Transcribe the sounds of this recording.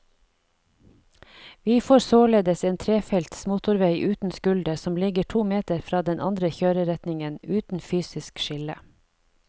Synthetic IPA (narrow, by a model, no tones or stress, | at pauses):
ʋiːfoːɾsoːleːd̪əseːnt̪ʰɾeːfɛlt̪smʊːt̪ʊɾʋeɪʔʉːt̪n̩skʉld̪əsɔmlɪɡəʈʰuːmeːt̪əɾfɾɑːd̪ɛnʔɑ̰nd̪ɾəçøːɾəɾɛt̪nɪŋənʉːt̪n̩fyːsɪskʃɪlə̰